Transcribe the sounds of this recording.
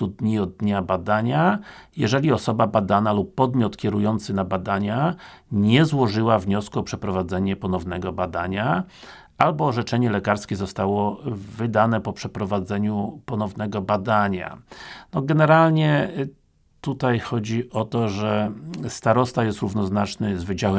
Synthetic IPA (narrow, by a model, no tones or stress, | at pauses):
ud̪ɲiɔd̪̚d̪ɲabad̪aɲajɛʐɛlʲiɔsɔbabad̪analupːɔd̪mʲjɔt̪kʲɛɾujɔnt̪sɘnabad̪aɲaɲɛzwɔʐɘwavɲɔskuɔpʂɛpɾɔvad̪zɛɲɛpɔnɔvnɛɡɔbad̪aɲa | albɔːʐɛt͡ʂɛɲɛlɛkaɾskʲɛzɔst̪awɔvɘd̪anɛpɔpʂɛpɾɔvad̪zɛɲupɔnɔvnɛɡɔbad̪aɲa̰nɔɡɛnɛɾalɲɛ | t̪ut̪ajxɔd͡ʑiʔɔt̪ɔʐɛst̪aɾɔst̪ajɛst̪ɾuvnɔznat͡ʂnɘzvɘd͡ʑawɛ